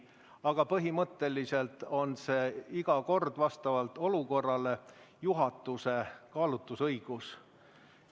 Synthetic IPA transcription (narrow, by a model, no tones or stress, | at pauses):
ɑɡ̥ɑpɤɦimɤt̪ˑːe̞lise̞lt̪o̞nse̞ːiɡ̥ɑko̞rd̪̥vɑst̪ɑvɑlt̪o̞luko̞rːɑle̞juɦɑt̪ːˑuse̞kɑːlut̪ːˑusɤjɡ̥us